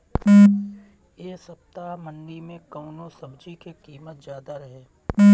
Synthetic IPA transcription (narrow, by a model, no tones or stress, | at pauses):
jeːsɐp̚t̪amənɖimẽkɐʊnosɐbd͡ʒikekiːmət̪zjaːd̪aɾɐɦeː